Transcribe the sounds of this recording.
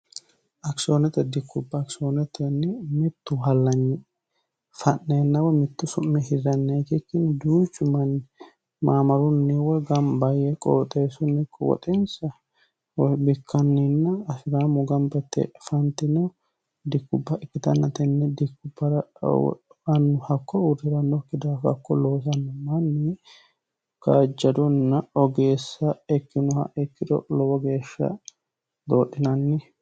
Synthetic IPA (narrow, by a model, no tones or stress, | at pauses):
ʔɐksonɛt̪ɛd̪ɪkʰːʊbːɐːksonɛt̪ʰɛnːɪmɪt̪ːʊɦɐlːɐnːɪ | fɐnːenːɐwɔmɪt̪ːʊsʊmːɛhɪɾɐnːeːt̪ɪkːɪnd̪uːt͡ʃːʊmɐnːɪ | maːmɐɾʊnːɪwɔɡɐmbɐjɛkʼɔ̰wt̪ʼeːsʊnːɪkʼːɔwɔ̰t̪ʼɛnsɐ | wɔbɪkʰːɐnːinːɐːsɪɾaːmɔɡɐmbɛt̪ːɛ̰fɐnt̪ɪnɛ | d̪ɪkːʊbːɐɛkːɪt̪ɐnːɐt̪ɛnːɛd̪ɪkːʊbːɐɾɐ̰ | ɐnːʊhɐkːɔʊd̪ɛɾɐnːɔkːɪd̪aːfɐ̰kːɔlo̞ːs̬ɐnːɐmɐnːɪ | kad͡ʒːɐd̪ʊnːɐɔɡe̞ːsːɐɛkːɪnʊhɐ̰ʔɛkːɪd̪ɔ̰lɔwɔɡe̞ːʃːɐ̰ | d̪oːɗːɪnɐnːɪ